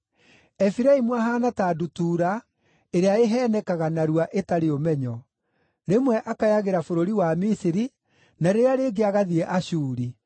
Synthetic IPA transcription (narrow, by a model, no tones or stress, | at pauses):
ɛfiɾaimwaɦaːnataːdutuːɾa | eɾeaeɦɛːnɛkaɣanaɾuaʔetaɾeomɛɲɔ | ɾemwɛʔakajaɣeɾafoɾoɾiwamisiɾi | naɾeɾaɾeːɡeaɣaðiɛʔaɕuːɾi